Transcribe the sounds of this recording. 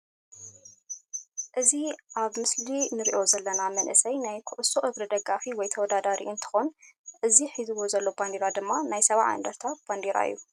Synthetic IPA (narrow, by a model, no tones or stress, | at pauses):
ʔɨziʔaβmɨslinɨɾḭʔo̞zɐlːɐnamɐnʔɨsɐjnajkʰuʔɨsoʔɨβɾid̪ɐɡafiwɔjt̪ʰɐwɔd̪ad̪aɾḭʔɨnt̪ʰɨ̥xonʔɨziħizɨwozɐlːo̞band̪eɾad̪ɨmːanajsɐβa̰ʕa̰nd̪ɐɾt̪ʰat̪̚b̥and̪eɾa̰ɨjːu